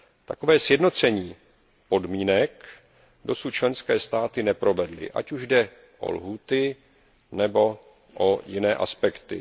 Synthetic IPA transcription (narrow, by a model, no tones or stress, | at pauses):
t̪ako̞vɛːsjɛdno̞t͡sɛɲiː | po̞dmiːnɛk | do̞sut̪̚t͡ʃlɛnskɛːst̪aːt̪ɪnɛpɾo̞vɛdlɪ̰ʔa̰cuʒdɛ | ʔo̰lɦuːt̪ɪ | nɛbo̞ | ʔojɪnɛːʔa̰spɛkt̪ɪ̰